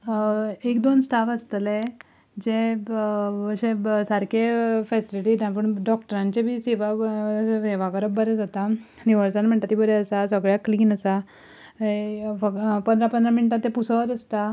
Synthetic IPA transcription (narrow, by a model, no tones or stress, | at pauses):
ekd̪onsʈʰafəst̪le | d͡ʑe | əɕesəɾkefɛsiliʈid̪ãpəɳɖɔk̚ʈəɾãɲt͡ɕebʱiːseʋaseʋakəɾəb̚bəɾɛd͡zat̪a | niʋəɾsanm̤əɳt̪at̪ːibəɾɛəsasəɡɭjakliːnəsa | efəpənd̪ɾapənd̪ɾaminiʈ̪ãt̪ːẽpusət̪əst̪a